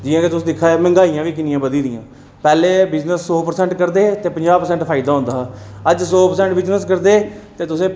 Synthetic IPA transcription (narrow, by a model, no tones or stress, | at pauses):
d͡ʒɪjãːkeːt̪ʊsːd̪ɪkʰːaːeːmɛ̃ŋɡaːijãːʋiːk̬ɪnɪjãːbəd̪iːd̪ɪjãː | pɛːleːbɪd͡ʒnəsːoːpəɾsɛ̃ːɳʈkəɾd̪eːt̪eːpəɲd͡ʒaːpəɾsɛːɳʈpʰaːɪd̪aːɦʊ̃nd̪aːəd͡ʒsoːpəɾsɛ̃ːɳʈbɪd͡ʒnəskəɾd̪eːt̪eːt̪ʊsẽː